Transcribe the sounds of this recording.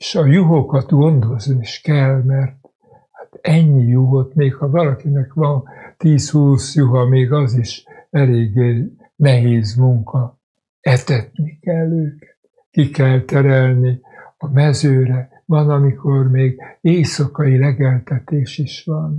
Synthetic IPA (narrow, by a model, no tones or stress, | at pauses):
eʃɒjuɦokɒt̪ɡo̞nd̪o̞zniʃkɛlmɛrt̪ | hat̪ɛɲːijuɦot̪meːkhɒvɒlɒkinɛkʋɒnt̪iːshuːsjuɦɒmeːɡɒziʃɛleːɡe | nɛɦeːzmuŋkɒ | ɛt̪ɛt̪nikɛlːøːkɛ̥t̪ | kikɛlt̪ɛɾɛlni | ɒmɛzøːɾɛ | vɒnɒmikormeːɡeːsɒkɒjilɛɡɛlt̪ɛt̪eːʃiʃʋɒn